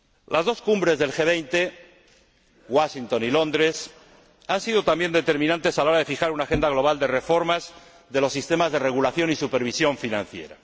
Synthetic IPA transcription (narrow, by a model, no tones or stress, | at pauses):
lʔazðo̞skumbɾe̞zðe̞lxe̞β̞ejnt̪e̞ | ɣwaʃint̪o̞nilo̞nd̪ɾes | ansiðo̞t̪ambje̞nd̪e̞t̪e̞ɾmĩnãnt̪e̞salaoɾaðe̞fixaɾunaxe̞nd̪aɣlo̞β̞ald̪e̞re̞fo̞ɾmaz | ðe̞lo̞sːist̪e̞mazðere̞ɣ̞ulaθjo̞nisupeɾβ̞isjo̞ɱfinã̰n̟θje̞̰ɾa